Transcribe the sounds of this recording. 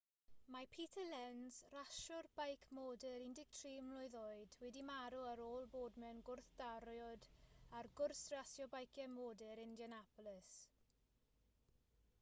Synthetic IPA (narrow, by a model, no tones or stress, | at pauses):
mapʰitʰəlɛnz̥raʃɔrbajkʰmoːdɪɾɪndɪɡ̚tʰriːmlˠʊɨðoɨdwɛdimaɾuaɾoːlˠboːdmɛnɡʊrθd̥aɾjɔdarɡʊrsrasjɔbajkʰɛmoːdɪɾɪndjanapʊlɪs